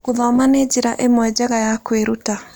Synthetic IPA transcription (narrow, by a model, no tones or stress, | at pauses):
kuðɔmaned͡ʑiɾaʔemwɛd͡ʑɛɣajakweɾuta